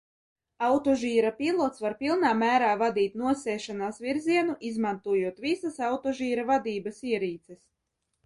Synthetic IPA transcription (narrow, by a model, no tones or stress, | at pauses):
awt̪ɔʒiːɾapʲilˠɔt̪svaɾpʲilˠnaːmæːɾaːvad̪iːt̪̚nuɔsɛːʃanaːsviɾziɛnuʔizmant̪uɔjuɔt̪visasawt̪ɔʒiːɾavad̪iːbasiɛɾiːt̪sɛs